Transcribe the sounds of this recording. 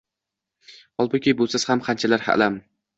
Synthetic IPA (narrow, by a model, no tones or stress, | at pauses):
hɒlˠbʊkʲʰɪbolˠsaz̥hamqʰant͡ʃʰalaɾha̰ʔlam